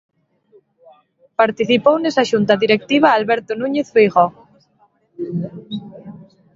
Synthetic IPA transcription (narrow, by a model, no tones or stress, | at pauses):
paɾt̪iθipownesaʃunt̪aðiɾek̚t̪iβ̞aːlβɛɾt̪onũɲeθfejɣɔ